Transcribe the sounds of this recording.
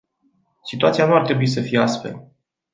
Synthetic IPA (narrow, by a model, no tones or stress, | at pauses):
sit̪uat̪sijanuart̪ɾe̞buis̬əfijeast̪fe̞̰l